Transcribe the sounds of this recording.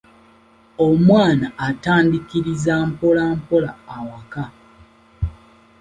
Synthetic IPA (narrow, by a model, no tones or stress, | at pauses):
omwaːnaːtaːndikiɾizaːmpo̞laːmpo̞laːwaka